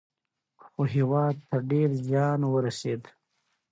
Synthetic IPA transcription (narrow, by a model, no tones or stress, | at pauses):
xoɦiwɑːd̪̚t̪əɾɖeɾzjɑːnwəɾaseːd̪